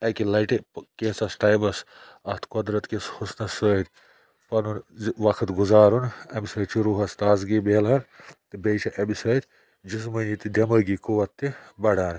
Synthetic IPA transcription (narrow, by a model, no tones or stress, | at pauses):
ɐkilɐʈipkeːsɐsʈajbɐsɐst̪ʰkɔd̪ɾɐt̪keshusnɐsəːd̪ʲ | pɐnunʋɐkʰɐt̪ɡuzaːɾunɐmisɐːt͡ʃʰiɾuːɦɐst̪aːzɡibeːlɦɐɾt̪ɨbejt͡ʃʰɐʔɐmisɐːd̪ʲ | d͡ʒis̬mɐnit̪id̪ɐmɐːɡikuʋɐt̪ːibɐɽaːn